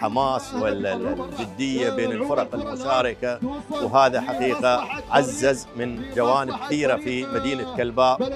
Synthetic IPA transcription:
ħamaːsˤwɪld͡ʒɪd̪ːɪjːabeːnɪlfʊɾˤɑqɪlmʊsaːɾɪkawɦaːðaħaqiːqaʕazːazmɪnd͡ʒawaːnɪb̚kɪθiːɾafimad̪iːnakalbaːʔ

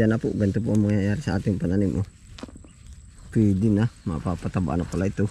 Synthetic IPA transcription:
anapṵʔɡant̪upumaŋajaɾisaat̪impananimʔɔ̰ | puidinamapapat̪aba̰ʔanapulait̪u

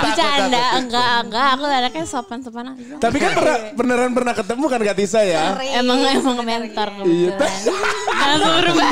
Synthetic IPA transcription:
pit͡ʃaːndaəŋɡaŋɡaːkuadakasopansopanakut̪ap̬ikanpərnapənəɾanp̬ərnahkət̪əmukankat̪isajaemaŋemaŋment̪ɔrijat̪a | asuɾum

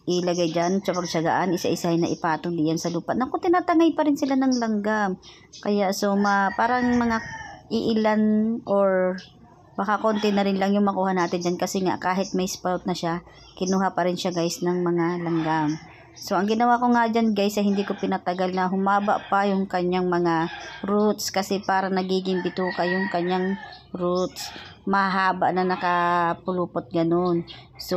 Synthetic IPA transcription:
ʔɪlɐɡajd͡ʒant͡ʃɐpɐɡ̚t͡ʃɐɡa̰ʔanʔɪsa̰ʔɪsahɪnɐʔɪpaːt̪ond̪ɪjɐnsɐluːpanɐko̞t̪ɪnaːt̪ɐŋajpɐɾɪnsɪlanɐŋlɐŋɡam | kɐjaʔso̞mɐpaːɾɐŋmɐŋaʔɪʔɪlanʔoɹ | bɐkakont̪ɪnɐɾɪnlɐŋjʊŋmɐkuːhɐnaːt̪ɪnd͡ʒankɐsɛŋa̰ʔkaːɦɪt̪̚mɐjspawt̪̚nɐʃa | kɪnuːɦɐpɐɾɪnʃaɡajsnɐŋmɐŋalɐŋɡam | so̞ʔɐŋɡɪnɐwakoŋad͡ʒanɡajsɐjhɪnd̪iːkopɪnɐt̪ɐɡalnɐɦʊmaːbɐ̰ʔpɐjʊŋkɐɲːaŋmɐŋaɾut̪skɐsɛpaːɾɐnɐɡiːɡɪŋbɪt̪uːkɐjʊŋkɐɲːaŋ | ɾut̪̚smɐɦaːbɐʔnɐnɐkɐpʊluːpot̪̚ɡɐnon | so

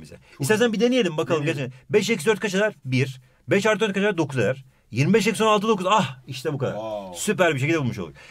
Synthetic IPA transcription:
mḭzɛ̰ | ist̪aːsænbid̪enijelʲimbakalˠɯmɟat͡ʃenbɛʃ̬ekisd̪øɾt̪̚kʰat͡ʃʰalˠaɾbiɾ | bɛʃalˠɯdøɾt̪kʰat͡ʃʰaaɾd̪o̞kʰuza̰aɾ | jiɾmibɛʃ̬ecsonalˠt̪ɯd̪o̞kuzahiʃt̪ʰɛbukʰad̪a̰ɾsyp̬æɾbiʃ̬ecilʲd̪ʲeulˠmuʃolˠṵɾ

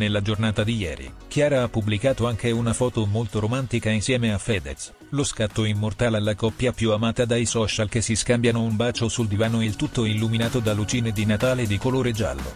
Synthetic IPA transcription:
nelːad͡ʒornaːt̪ad̪ijɛ̰ːɾḭ | k̟jaːɾaapːublikaːt̪oaŋkeunafɔːt̪omolt̪oɾomant̪ikainsjɛːmeafːɛd̪es | loskat̪ːoimːort̪aːlalːakɔpːjapjuamaːt̪ad̪ajsɔːt͡ʃalk̟esːiskambjanoumbaːt͡ʃosuld̪ivaːnoilt̪ut̪ːoilːuminaːt̪od̪alut͡ʃiːned̪inat̪aːled̪ikoloːɾed͡ʒa̰lːo̰

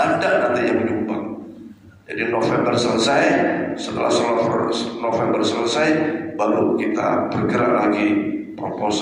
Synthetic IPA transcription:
adanat̪ajabəumba̰ŋ | d͡ʒadinofɛmbərsələsajsət̪əlʔa̰hsəlɔfnofɛmbərsələsajbalukit̪a̰bərɡəɾalaɡipɾopos

